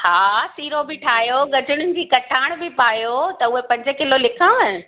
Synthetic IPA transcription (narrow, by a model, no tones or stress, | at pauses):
haːsiːɾobɪʈʰaːjoɡɐd͡ʑʱʊɽ̃ʊnɪ̆d͡ʑiːkɐʈʰaːɪɽ̃bɪpaːjot̪ɐʊɦepɐ̃ɲd͡ʑʊ̆kɪlolɪkʰã